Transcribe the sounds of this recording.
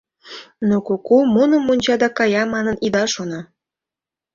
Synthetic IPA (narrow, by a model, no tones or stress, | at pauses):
nokokumonə̆monʲt͡ɕɑd̪ɑkɑjɑmɑnənid̪ɑʃonɑ